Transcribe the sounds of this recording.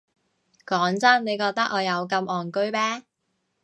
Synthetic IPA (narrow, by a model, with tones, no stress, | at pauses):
kɔː˨˥ŋt͡sɐ˥nne˨˧jkɔː˧k̚t̪ɐ˥k̚ɔː˨˧jɐ˨˧wkɐ˧mɔː˨˩nkɵ˥ɥpɛː˥